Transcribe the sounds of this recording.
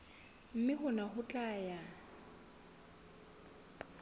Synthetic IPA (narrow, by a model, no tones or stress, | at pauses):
m̩mɪχʊnaχʊt͡ɬʼaːja